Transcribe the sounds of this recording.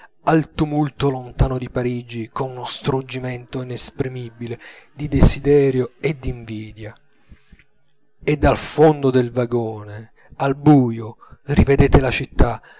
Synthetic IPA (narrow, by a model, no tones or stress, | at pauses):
alt̪umult̪olont̪aːnod̪ipaɾiːd͡ʒikonunost̪ɾud͡ʒimɛnt̪oinespɾimibiled̪id̪esid̪ɛːɾjoed̪ːiɱviːd̪ja | ed̪ːalfond̪od̪elvaɡoːne | albuːjo | rived̪eːt̪elat͡ʃit̪ːa